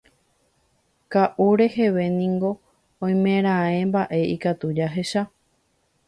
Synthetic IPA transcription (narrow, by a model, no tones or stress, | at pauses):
kaʔuɾe̞he̞ʋe̞nĩŋɡo̞ | õj̃mẽɾ̃ãẽ̞mbaʔe̞ikat̪ud͡ʒaɦe̞ʃa